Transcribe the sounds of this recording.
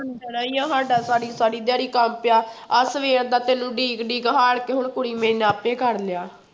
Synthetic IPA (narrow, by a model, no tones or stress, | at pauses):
ənd̪əɾaːijãːɦaːɖaːsaːɽiːsaːɽiːd̪jaːɾiːkəmpɪjaː | əsʋeːɾd̪aːt̪eːnũːɖiːkɖiːkɦaːɽkeːɦʊɳkʊɽiːmẽːnaːpẽːkəɾlɪjaː